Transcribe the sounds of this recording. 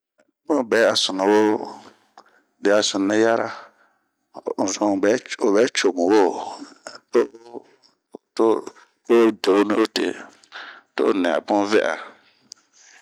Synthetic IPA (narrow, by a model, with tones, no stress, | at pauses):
bʊ̃˦˨bɛ˨˦a˨sʊ˨na˨wo˦ | dɪ˨a˨sʊ̃˨nːɪ˦ja˦ɾa˦ | n̩˨zʊ̃˨bɛ˦o˨βɛ˨˦t͡ʃo˨ŋu˨wo˦˨to˦ | to˦ | o˦do˨˦ni˦o˦tḛ˨ | to̰˦˨nɛ̃˨a̰˨pʊ̃˦vɛ̰˦ʔa̰˨